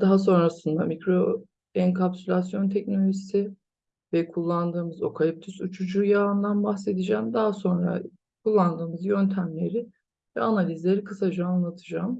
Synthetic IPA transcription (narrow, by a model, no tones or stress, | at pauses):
d̪̥aɦaso̞nɾasɯnd̪amicɾo̞ | ɛnkʰapsylʲasjo̞nt̪ʰɛcno̞lʲoʒisɪ | vɛkʰulˠːand̪ɯːmɯzo̞̰kʰalʲip̚t̪ʰysut͡ʃʰud͡ʒuːjaɯnd̪anbaxse̞d̪id͡ʒæːmd̪aɦaso̞nɾa̰ | kʰulˠːand̪ɯːmɯzjø̞nt̪ʰæmlʲe̞ɾɪ | vɛanalʲizlʲe̞ɾikʰɯsad͡ʒaanlˠat̪ʰɯd͡ʒaːm